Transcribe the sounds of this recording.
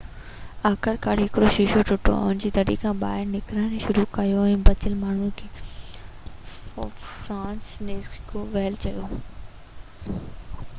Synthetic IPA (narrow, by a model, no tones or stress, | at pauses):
aːkəɾkaːɽɦɪkɪɽoʃɪʃoʈʰʊʈʰo̰ʊʊnd͡ʑiːt̪ɐɽḭkʰãːɓa̰ːɦɪɾnɪkɾaːɽ̃ʃʊɾukɐjoɛ̃ːbɐt͡ɕəlmaːɳ̤ũkʰeː | fɾãːnsneːkʰoʋɛɦlt͡ɕɐjo